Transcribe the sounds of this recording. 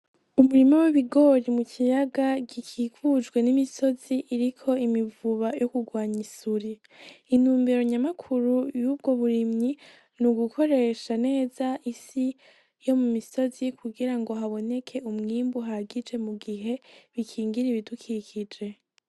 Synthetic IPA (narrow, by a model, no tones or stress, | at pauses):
umuɾimowiβiɡo̞ɾimucʰijaɡaɡikʰikud͡ʒɡwe̞nimiso̞z̥iʔiɾikʰo̞imivuβajo̞kuɡwaːɲisuɾi | in̥huːmbe̞ɾo̞ɲamakʰuɾujuːb̚ɡo̞βuɾimɲi | nuɡukʰo̞ɾe̞ʃane̞ːzaʔisi | jo̞mumiso̞zikʰuɡiɾaŋɡo̞ɦaβo̞ne̞kʰe̞umŋiːmbuɦaɡid͡ʒe̞muɡiɦe̞βikʰiːŋɡiɾiβidukʰikʰid͡ʒe̞